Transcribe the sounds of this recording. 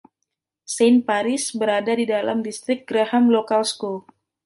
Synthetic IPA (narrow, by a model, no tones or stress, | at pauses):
senpaɾɪsbəɾadadidala̰mdist̪ɾɪk̚ɡ̥ɾahamlokalsko